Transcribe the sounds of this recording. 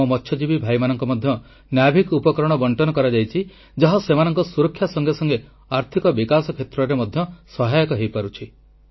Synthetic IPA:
ɔmɔtʰːʃjɔd͡ʒibibʱajmanɔŋkɔmɔd̪ʱjɔ | njabʱikupɔkɾɔɽ̃ɔbɔɳʈɔnɔkɔɾad͡ʒajt͡ʃʰi | d͡ʒɔɦɔsemanɔŋkɔsuɾɔkʰːjasɔŋɡesɔŋɡe | aɾt̪ʰikɔbikasɔkʰet̪ɾɔɾemɔd̪ʱjɔsɔɦajɔkɔɦejpaɾut͡ʃʰi

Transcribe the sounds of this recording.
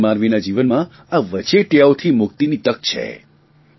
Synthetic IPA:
maɾʋinad͡ʒiʋənmã | aʋət͡ʃeʈjaot̪ʰimʊkt̪init̪əkt͡ʃʰḛ

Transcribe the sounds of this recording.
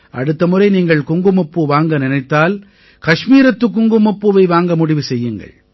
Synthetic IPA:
ʔɐ̰ɽɯt̪ːɐmɯrɐɪniːŋɡɐɭkʊŋɡɯmʊpːɯʋaːŋɡɐnɪnɐɪt̪ːaːl | kɐʂmiːɾɐt̪ːɯkːʊŋɡɯmʊpːɯʋɐɪʋaːŋɡɐmʊɽɪʋɯsɛjːɯŋɡɐ̰ɭ

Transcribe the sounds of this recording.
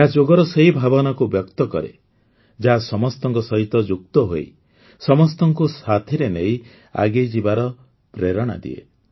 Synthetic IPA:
ad͡ʒoɡɔɾɔseɦibʱabɔnɔkubjɔkt̪ɔkɔ̰ɾḛ | d͡ʒaɦasɔmɔst̪ɔŋkɔsɔɦit̪ɔd͡ʒukt̪ɔɦoi | sɔmɔst̪ɔŋkusat̪ʰiɾenej | a̰ɡed͡ʒibaɾɔ | pɾeɾɔɽ̃a̰d̪ḭḛ

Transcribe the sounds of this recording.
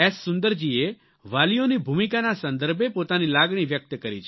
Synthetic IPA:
ɛsːʊnd̪əɾd͡ʒie | ʋalijonibʱumikanasə̃nd̪əɾbepot̪anilaɡɳ̃iʋjək̚t̪əkəɾit͡ʃʰ

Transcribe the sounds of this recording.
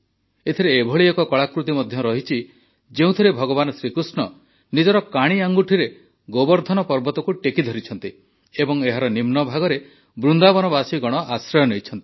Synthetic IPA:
et̪ʰiɾeːbʱɔɭiɔkɔkɔɭakɾut̪imɔd̪ʱjɔɾɔɦit͡ʃʰi | d͡ʒeũt̪ʰiɾebʱɔɡɔbanɔsɾikɾusɳɔ | nid͡ʒɔɾɔkaɽ̃iaŋɡuʈʰiɾe | ɡobɔɾd̪ʱɔnɔpɔɾbɔt̪ɔkuʈekid̪ʱɔɾit͡ʃʰɔnt̪i | ebɔŋeɦaɾɔnimnɔbʱaɡɔɾe | bɾund̪abɔnɔbasiɡɔɽ̃ɔʔasɾɔjɔnejt͡ʃʰɔnt̪i̥

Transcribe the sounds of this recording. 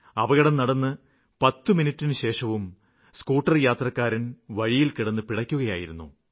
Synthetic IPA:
ɐʋɐɣɐɽɐmnɐɽɐnːɨ | pɐt̪ːɨminitːinɨɕe̞ːʂɐʋum | skuːʈːɐrjaːt̪rɐkːaːɾɐnʋɐɻijilkiɽɐnːɨpiɽɐkʲːuɣɐjaːjiɾunːṵ

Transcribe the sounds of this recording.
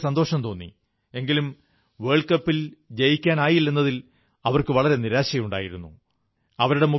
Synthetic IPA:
sɐnd̪o̞ːʂɐmt̪o̞ːnːḭ | e̞ŋɡilum | ʋe̞ɭkɐpːild͡ʑejikʲːaːnaːjilːenːɐðil | ɐʋɐrkɨʋɐɭɐɾe̞niɾaːɕɐjmuɳɖa̰ːjiɾunːu | ɐʋɐɾuɽe̞mu

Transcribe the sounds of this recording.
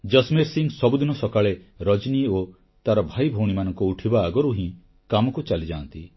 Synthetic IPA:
d͡ʒɔsmiɾsiŋɡsɔbud̪inɔsɔkaɭe | ɾɔd͡ʒnio | t̪aɾɔbʱajbʱoɽ̃imanɔŋkuuʈʰibaːɡɔɾuɦĩ | kamɔkut͡ʃalid͡ʒaːnt̪i

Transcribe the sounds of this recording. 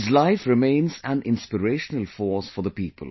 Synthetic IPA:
ɪzlaɪfɾɪmẽɪ̃nzæ̃nʔɪ̃nspɪɾeːʃənəlfɔːsfɔðəpiːpʰə̰l

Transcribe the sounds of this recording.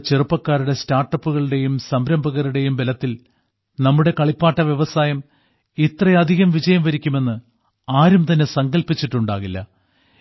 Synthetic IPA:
t͡ɕerupːɐkːaːɾuɽe̞staːrʈːɐpːuɣɐɭuɽe̞jumsɐmbɾɐmbʱɐɣɐɾuɽe̞jumʋelɐt̪ːil | nɐmːuɽe̞kɐɭipːaːʈːɐʋjeʋɐsaːjɐm | it̪rɐjɐd̪ʱiɣɐmʋid͡ʑɐjɐmʋɐɾikʲːume̞nːɨ | aːɾumt̪ɐnːe̞sɐŋɡɐlpit͡ɕːiʈːuɳɖa̰ːɣilːɐ̰

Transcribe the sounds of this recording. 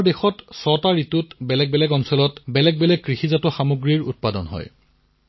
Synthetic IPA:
ɹdexɔtsɔtaɹitutbɛlɛɡ̚bɛlɛɡɔnsɔlɔtbɛlɛɡ̚bɛlɛɡ̚kːɹixizatɔxamuɡɹiɹṵt̚padɔ̰nɦɔ̰j

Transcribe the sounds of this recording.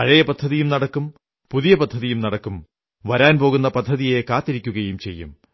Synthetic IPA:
ɐɻɐjɐpɐd̪ʱːɐðijumnɐɽɐkːum | puðijɐpɐd̪ʱːɐðijumnɐɽɐkːum | ʋɐɾaːnpo̞ːɣunːɐpɐd̪ʱːɐðijekaːt̪ːiɾikʲːuɣɐjumt͡ɕe̞̰jːṵm

